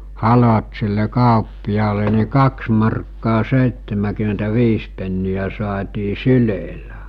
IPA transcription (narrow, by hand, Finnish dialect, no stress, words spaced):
hɑlot silːe kɑˑopːijɑːle ni kɑks mɑrkːɑː seˑitːemækym̆entæʋiːs penːiæ sŏɑːtiː syleˑlæ